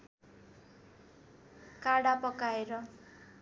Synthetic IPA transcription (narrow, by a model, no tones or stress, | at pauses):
kaɽapʌkaeɾʌ